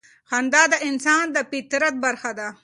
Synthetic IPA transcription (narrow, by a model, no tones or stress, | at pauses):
xand̪ɑd̪əʔɪnsɑːnd̪əpɪt̪ɾat̪̚baɾxad̪a